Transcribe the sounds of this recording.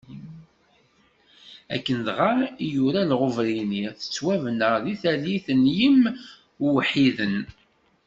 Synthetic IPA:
æ̰kːənðʁaijuɾælʁʊvɾiniθə̥t͡sːwævənəðiθæliθənjəm | wħiðən

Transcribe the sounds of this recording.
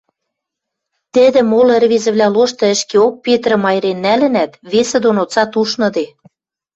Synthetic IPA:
t̪ɘ̆d̪ɘ̆molĕrβezɘ̆βlʲæloʃt̪ɤ̆ə̆ʃkeok̚pet̪ɾə̆mɑjɾenːælɘ̆næt̪βesĕd̪onot͡sɑt̪uʃnɤ̆d̪e

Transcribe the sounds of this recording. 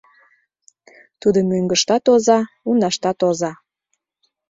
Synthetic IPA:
t̪ud̪omøŋɡəʃt̪ɑt̪ozɑ | unɑʃt̪ɑt̪ozɑ

